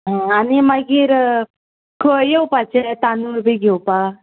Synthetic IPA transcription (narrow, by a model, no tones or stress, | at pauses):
ɦə̃animaɡiːɾ | kʰəjewpat͡ɕet̪anuɾbʱiɡʱewpa